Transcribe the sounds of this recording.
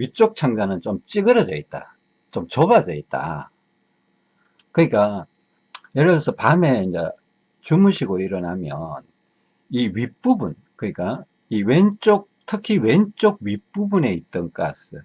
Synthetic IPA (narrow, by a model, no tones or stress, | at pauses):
ɥit͡ɕ͈ok̚t͡ɕʰaŋd͡ʑanɯnt͡ɕomt͡ɕ͈iɡɯɾʌd͡ʑʌit̚t͈a̰ | t͡ɕomt͡ɕobad͡ʑʌit̚t͈a̰ | kɯɲik͈a | jeɾʌsʰʌpame̞ind͡ʑḛ | t͡ɕumuɕʰiɡoiɾʌnamjʌ̰n | iɥip͈ubun | kɯɲik͈a | iwent͡ɕ͈ok̚tʰɯkʰiwe̞nt͡ɕ͈oɡ̚ɥip͈ubune̞it̚t͈ʌnk͈a̰sɯ